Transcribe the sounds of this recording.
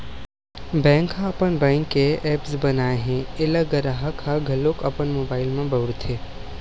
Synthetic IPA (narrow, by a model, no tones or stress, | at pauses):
bɛ̃ːŋkɦãɐpənbɛ̃ːŋkːeʔeːpsbɐnaːeɦɛ̃ɪləɡəɾaɦəkʰaɡʱɐlokɐpənmoːbaːɪlmẽbəʋɽt̪ʰe